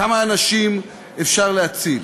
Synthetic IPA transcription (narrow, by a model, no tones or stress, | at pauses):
amaːnaʃim | efʃaʁleat͡sil